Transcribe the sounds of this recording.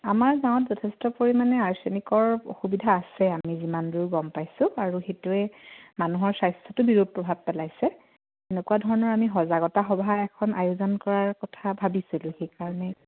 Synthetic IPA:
amaɹzãɔtzɔtʰestɔpoɹimanɛaɹsenikɔɹo̰xubidʱaːsɛamizimandujɡɔmpajsʊ̃aɹuxetuɛmanuɦɔɹsajstʰɔtʊbiɹud̚pɹɔbʱab̚pɛlajsɛ | enekuwadʱɔɹɔnɔɹamiɦɔzaɡɔtaxɔbʱaɛkʰɔnajʊzɔnkɔɹaɹkɔtʰabʱabisilʊ̃xejkaɹɔnɛ

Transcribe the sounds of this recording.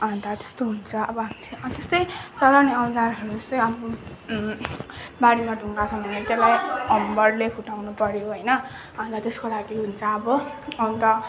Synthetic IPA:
ɦant̪at̪e̥st̪oɦunt͡sʰʌʌbʌɦamilet̪est̪ʌjt͡sʌlaniʌndaɾɦʌɾut͡sʌj̃ʌmo | baɽimaɖʱuŋɡat͡sʰʌmʌnet̪elajʌmbʌrlepʰuʈawnupʌɾjoɦʌjnʌ | ɦãnt̪at̪eskolaɡiɦunt͡sʰʌːbʌʌnt̪ʌ

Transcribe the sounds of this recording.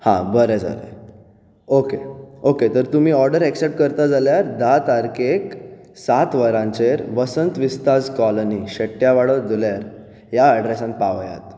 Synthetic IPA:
hã̰bəɾɛd͡za̰lḛ | okeoket̪əɾt̪um̤iːɔɾɖəɾɛksep̚ʈ̚kəɾt̪ad͡zaljaɾd̪at̪aɾkek | sat̪ʋəɾãɲt͡ɕeɾʋəsənt̪ʋist̪ad͡zkɔləniɕəʈjaʋaɽəd̪uljaɾ | jaːɖɾesãnpaʋja̰t̪

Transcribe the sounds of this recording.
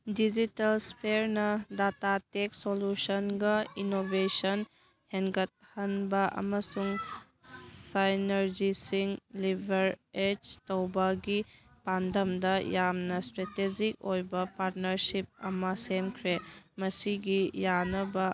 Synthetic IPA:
did͡ʒitɐlspʰeɾnɐdatateksolusɐnɡɐinobesɐn | heŋɡɐt̚hɐnbɐʔɐ̰mɐsuŋ | sajnɐɾd͡ʒisiŋlibʱɐɾed͡ʒtɐwbɐɡi | pandɐmdɐjamnɐstɾeted͡ʒik̚ojbɐpaɾt̚nɐɾsip̚ɐ̰mɐsemkʰɾemɐsiɡijanɐbɐ

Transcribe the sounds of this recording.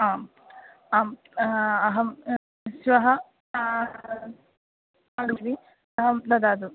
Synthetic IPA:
aːm | aːm | ɐɦɐm | sʋɐɦɐ | ɐɽuɾi | ɐɦɐmd̪ɐd̪aːd̪u

